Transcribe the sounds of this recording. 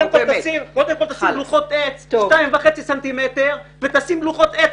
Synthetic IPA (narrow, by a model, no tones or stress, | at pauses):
emkot̪asimkod̪emko̞lt̪asimluχot̪et͡sʃtaimvaχet͡sisant̪imet̪eʁvet̪asimluχot̪et͡s